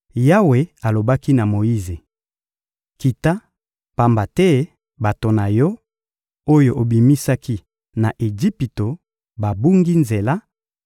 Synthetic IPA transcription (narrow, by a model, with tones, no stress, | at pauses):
ja˦we˨a˨lo˨ba˦ki˦na˨mo˨i˦ze˨ | ki˨ta˦ | pa˨mba˨tɛ˦ | ba˨to˨na˨jɔ˦ | o˦jo˨ʔo˨bi˨mi˦sa˦kʰi˦ | na˨ʔe˨d͡ʒi˦pi˨to˨ | ba˨bu˦ŋɡi˦nze˨la˦